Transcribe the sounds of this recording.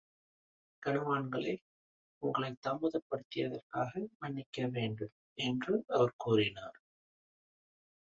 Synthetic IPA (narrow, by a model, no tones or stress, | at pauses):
kɐɳɯʋaːɳɡɐɭɐɪ | ʊŋɡɐɭɐɪt̪ːɐmɯðɐpːɐɽɯt̪ːɪjɐðɐrkaːɣɐmɐɳːɪkːɐʋeːɳɖɯm | ɛndrɯʔɐʋɐɾkuːrɪnaːɾ